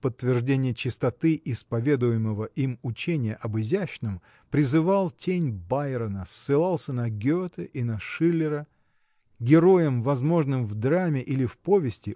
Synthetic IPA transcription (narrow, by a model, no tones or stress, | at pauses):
pət̪ːvʲɪrʐdʲenʲɪjət͡ɕɪst̪ɐt̪ɨʔɪspɐvʲe̞d̪ʊjɪməvəʔimʊt͡ɕenʲɪjəʔɐbɨzʲæɕnɨm | pɾʲɪzɨvɑlˠtʲenʲbajɾənəsːɨlˠɑlˠsʲənɐɡʲot̪ɨʔinəʂɨlʲːɪɾə | ɡʲɪɾo̞jəmvɐzmo̞ʐnɨmvd̪ɾamʲɪʔilʲɪfpo̞vʲɪsʲtʲɪ